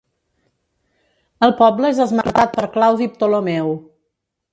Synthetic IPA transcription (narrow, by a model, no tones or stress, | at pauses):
əlˠpɔbləezðəzmə̰ɾt̪at̪̚pəɾklawðip̚t̪olomɛw